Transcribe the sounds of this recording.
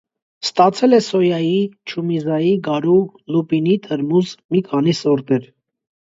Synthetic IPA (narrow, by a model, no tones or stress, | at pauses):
st̪ɑt͡sʰɛlɛsɔjɑjit͡ʃʰumizɑjiɡɑɾu | lupinit̪ʰəɾmuzmikʰɑnisɔɾt̪ɛɾ